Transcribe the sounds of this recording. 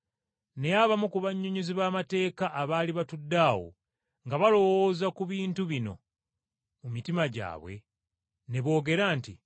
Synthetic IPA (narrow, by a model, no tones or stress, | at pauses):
ne̞jaβamukuβaɲːuɲuziβaːmate̞ːkaʔːβaːliβatudːaːwo̰ | ŋɡaβalo̞wo̞ːzakuβiːntuβino̞̰ | mumitimaɟa̰ːβwe̞̰ | ne̞βo̞ːɡe̞ɾaːnti